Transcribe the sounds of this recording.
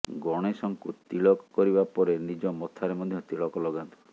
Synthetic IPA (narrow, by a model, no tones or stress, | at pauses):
ɡɔɽ̃esɔŋkut̪iɭɔkɔ̥kɔɾibapɔɾenid͡ʒɔmɔt̪ʰaɾemɔd̪ʱjɔt̪iɭɔkɔlɔɡant̪u̥